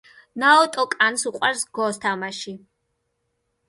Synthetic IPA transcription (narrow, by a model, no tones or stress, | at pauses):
naɔt̪ʼɔkʼansuqʼwaɾsɡɔst̪ʰamaʃi